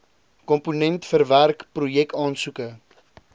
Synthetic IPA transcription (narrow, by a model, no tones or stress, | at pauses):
kɔmpunɛntfərværkprujɛktɑːnsukə